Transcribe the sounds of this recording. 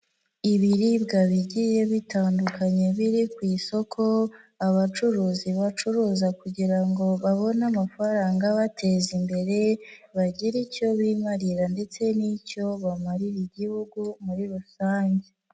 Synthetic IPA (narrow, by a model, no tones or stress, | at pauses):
iβiɾibɡaβiɟije̞βitaːndukʰaɲe̞βiɾikwiːso̞kʰo̞aβat͡ʃuɾuːziβat͡ʃuɾuːzakuɟiɾaŋɡo̞βaβo̞namafaɾaːŋɡaβatʰe̞zimbe̞ɾe̞ | βaɟiɾico̞βiːmaɾiɾande̞t͡se̞nico̞βamaɾiɾiɟihuɡumuɾiɾusaːɲɟe